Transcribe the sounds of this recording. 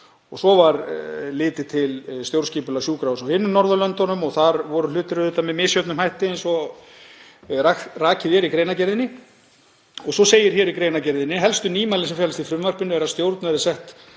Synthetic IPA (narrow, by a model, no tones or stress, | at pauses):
ɔɣsɔvaɾlɪːt̪ɪt̪ʰɪlst̪jowɾ̥sciːpʏlasjuːkɾawsawhɪnːʏnɔɾðʏlœnt̪ɔnʏmɔɣθaɾvɔɾʏlʏːt̪ɪɾʏðɛt̪ːamɛmɪːsjœt̪nʏmhajht̪ɪɛnsɔ | araːcɪðjɛɾikɾeːjnacɛɾðɪnːɪ | ɔɣsɔseːjɪɾ̥çɛɾikɾejnacɛɾðɪnːɪɦɛlst̪ʏniːmalɪnsɛmfjɛlst̪ifɾʏmːvar̥pɪnʏɛɾast̪jowɾt̪nɛɾɪsɛht̪